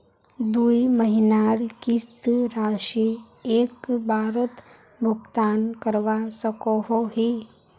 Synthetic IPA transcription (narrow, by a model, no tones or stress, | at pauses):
d̪uːiməɦɪnaːɾkist̪ɾaːʃi | eːkbʱaːɾət̪ | bʱʊɡt̪aːnkəɾʋasəkoɦoɦi